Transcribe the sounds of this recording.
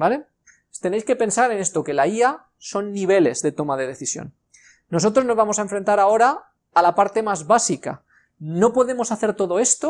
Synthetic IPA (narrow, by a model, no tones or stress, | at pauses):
bale̞ | t̪e̞nejske̞pe̞nsaɾe̞ne̞st̪o̞ke̞laia | so̞nːiβ̞e̞le̞zðe̞t̪o̞maðe̞ðe̞θisjo̰nː | o̞so̞t̪ɾo̞zno̞zβamo̞saeɱfɾe̞nt̪aɾao̞ɾaː | lapaɾt̪e̞mazβasika̰ | no̞po̞ðe̞mo̞saθe̞ɾt̪o̞ðo̞e̞st̪o